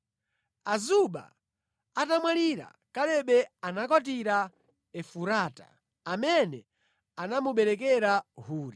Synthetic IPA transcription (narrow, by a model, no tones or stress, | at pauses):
azuɓa̰ | atamwaliɾa̰ | kalɛɓɛanakɔt̬iɾa | ɛfuɾaːta̰ | amɛnɛ | anamuɓɛɾɛkɛɾahuːɾi